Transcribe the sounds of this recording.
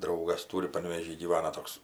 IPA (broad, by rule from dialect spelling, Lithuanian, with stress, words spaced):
ˈdrɐʊɡɐs ˈtuːrʲɪ pɐnʲʋʲeːˈʒʲiː ɡʲiːˈʋɑːnɐ ˈtoːks